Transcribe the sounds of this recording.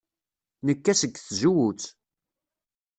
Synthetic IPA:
nəkːæsəɡθʒuwut͡sː

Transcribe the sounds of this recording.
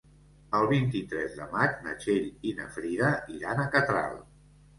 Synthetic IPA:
əlˠβint̪it̪ɾɛzðə̰mat͡ʃnə̰t͡ʃeʎinə̰fɾiðəiɾanəkət̪ɾa̰lˠ

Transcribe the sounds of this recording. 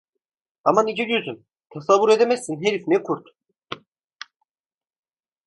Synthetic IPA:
amanid͡ʒɛd͡ʒyzym | t̪ʰasavːuɾed̪emɛsːinɦeɾifnɛkʰuɾt̪

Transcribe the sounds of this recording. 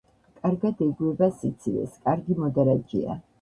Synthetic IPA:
kʼaɾɡad̪ɛɡuɛbasit̪sʰilɛ̰skʼaɾɡimɔd̪aɾad͡ʒḭa̰

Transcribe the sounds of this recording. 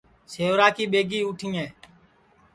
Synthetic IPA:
seːʋɾaːkiːɓeːɡiːʊːʈʰĩːẽː

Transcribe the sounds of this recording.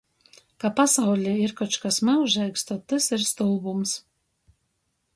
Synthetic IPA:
kapasawlʲiiɾkɔt͡ʃkasmɛuʒɛjkst̪ɔt̪ːɨsiɾst̪ulˠbums

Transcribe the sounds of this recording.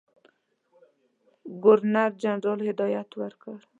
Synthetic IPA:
ɡʊɾnaɾd͡ʒanɾɔlhɪd̪ɔjat̪waɾkəɾ

